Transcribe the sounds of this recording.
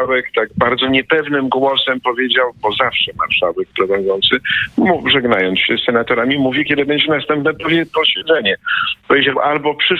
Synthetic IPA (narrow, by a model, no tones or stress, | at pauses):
wɛkt̪aɡ̚baɾd̪zɔɲɛpɛvnɘmɡwɔsɛmpɔvʲjed͡ʑawbɔzafʂɛma̰ɾʂawɛk̚plɛvɛnd̪zɔnt̪sɘmuʐɛɡnajɔnt̪sɕɛsːɛnat̪ɔɾamʲimuvʲjikʲjed̪ɘbɛɲd͡ʑɛnast̪ɛmpnɛpɔvɛpɔɕɛd̪zɛɲɛpɔvʲjed͡ʑawʔalbɔpʂɘ